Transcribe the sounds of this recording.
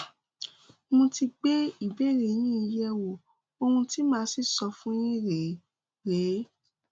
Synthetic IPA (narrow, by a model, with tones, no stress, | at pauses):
mũ˧ti˧k͡pe˦i˦˨be˦ɾe˨˦nĩ˦˧˦jɛ˦wo˨ | o˧hũ˧ti˦mãː˦si˦˨sɔ˧fũ˦jĩ˦ɾe˨ | ɾe˨˦